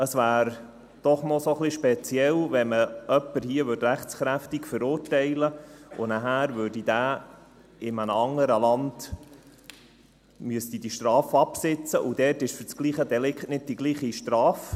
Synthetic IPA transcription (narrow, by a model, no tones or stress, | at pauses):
əsʋæːɾ | d̥ɔχnɔsoχliʃpɛt͡siɛlvɛməœpːəɾhiəʋʏdɾæχt͡sχɾæftiɡfəɾʊːrtɛɪləʊ̰næɦæːɾʋøːɾdid̥æː | ɪmənəɑŋːəɾəlɑnd̥ | myəst̪id̥iʃtɾɑːfɑpsɪt͡səʔud̪ɛːtɪʃfɵɾt͡sɡ̥liːχəd̪ɛlɪkχtnɪd̥̚d̥iɡliːχiʃtɾɑːf